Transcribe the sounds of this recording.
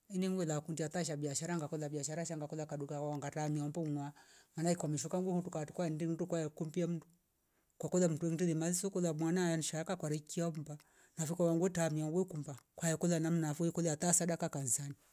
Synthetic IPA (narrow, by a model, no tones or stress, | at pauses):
ɛniŋɡwɛlakundiataʃ̬abiaʃaɾaŋɡakɔlabaʃaɾaʃaŋɡakɔlakaɗukawawaŋɡatamiambɔmwamanaikwamiʃukaŋɡuhutukati̥kwaɛndiŋdukwajɛkumbiam̩du | kakɔðam̩tuɛŋdilimazisɔkɔðamwanajanʃakakwaɾikiaumba | nafikawaŋɡwɛtamiaɡwɛkumbakwajɛkɔlanam̩nafuikɔlɛatasaɗakakansani